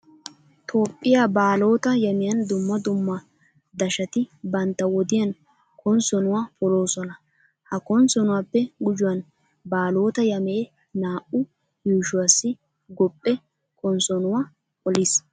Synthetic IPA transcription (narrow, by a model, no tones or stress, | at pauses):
t̪ʰo̞ːpʼːɪjaːbaːlo̞ːt̪ɐjɐmɪjɐnd̪ʊmːɐd̪ʊmːɐ | d̪ɐʃɐt̪ɪbɐnt̪ːɐwɔd̪ɪjɐn | kʰɔnsɔnʊwaːpɔlo̞ːsɔnɐ | hɐkɔnsɔnʊwaːpːɛɡʊd͡ʒʊwɐn | baːlo̞ːt̪ɐjɐmeː | naːʔʊ | juːʃʊwaːsːɪ | ɡɔpʼːɛ | kʰɔnsɔnʊwa | pɔlɪs